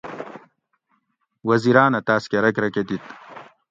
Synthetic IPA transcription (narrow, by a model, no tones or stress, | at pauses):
wɐziɾaːnɐt̪aːskeɾɐkɾɐked̪it̪